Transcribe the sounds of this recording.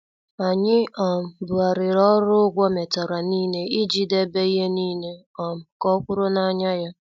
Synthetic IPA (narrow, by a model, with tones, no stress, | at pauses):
a˨ɲɪ˦ɔ˨m̩˨bʊ˨a˨ɾɪ˨ɾɔ˦ɾʊ˦ɡʷɔ˦me˨ta˨ɾa˨niː˦ne˦i˦d͡ʒi˦de˦be˦i˦ɦe˦niː˦ne˦ | ɔ˨m̩˨kɔ˦kʷʊ˦ɾʊ˦na˦ɲa˦ja˦